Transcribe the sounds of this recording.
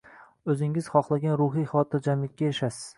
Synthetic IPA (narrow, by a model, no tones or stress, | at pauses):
ɵzɪŋɪz̥χɒχlˠaɡʲanɾʊɦijχɒt̪ʰɪɾd͡ʒamlɪkʲːajaʃasɪ̥z̥